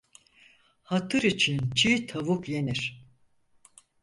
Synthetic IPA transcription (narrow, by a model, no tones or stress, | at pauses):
hat̪ʰɯɾit͡ʃʰint͡ʃʰiːt̪ʰavukjeniɾ̥